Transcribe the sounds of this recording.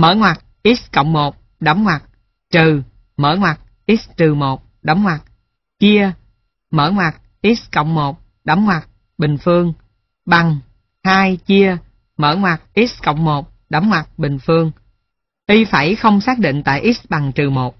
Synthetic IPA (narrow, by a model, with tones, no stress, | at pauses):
mə̰ː˧˩˦ŋwa˨˩k̚ʔi˦˥t̚kə̰˧˨wŋ͡mmo˨˩t̚ | ɗə˨˦ŋ͡mŋwa˨˩t̚ | t͡ɕɨ˨˩ | məː˧˩ŋwa˨˩t̚ | ʔi˦˥t̚t͡ɕɨ˨˩mo˨˩t̚ | ɗə˨˦wŋ͡mŋwa˨˩k̚ | t͡ɕi˧ə | məː˧˩ŋwa˨˩t̚ | ʔi˦˥t̚kə̰˧˨wŋ͡mmo˨˩t̚ | ɗə˨˦wŋ͡mŋwa˨˩t̚ | ɓï˨˩ŋ̟fɨ˧əŋ | ɓa˨˩ŋ | haː˧jt͡ɕi˧ə | məː˧˩ŋwa˨˩k̚ʔi˦˥t̚kə̰˧˨wŋ͡mmo˨˩t̚ | ɗə˨˦ŋ͡mŋwa˨˩k̚ɓï˨˩ŋ̟fɨ˧əŋ | ʔi˧faː˧˩jxə˧wŋ͡msaː˦˥k̚ɗḭ˧˨ŋ̟t̪a̰ː˧˨jʔi˦˥ɓa˨˩ŋt͡ɕɨ˨˩mo˨˩t̚